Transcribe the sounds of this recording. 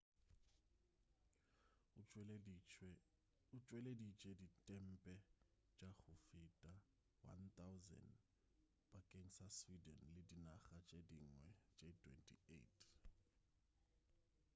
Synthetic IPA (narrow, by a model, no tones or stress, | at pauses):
ut͡ʃʼwɛledit͡ʃʼeditʼɛm̩pʼɛ | t͡ʃʼaɣʊfitʼa | wa̰nt̪awzɛ̰nd | b̥ʼakʼeŋ̩saswidɛnlɪdinaxat͡ʃʼediŋwɛt͡ʃʼetʰʼwɛ̰ntʰʼḭḛtʰʼ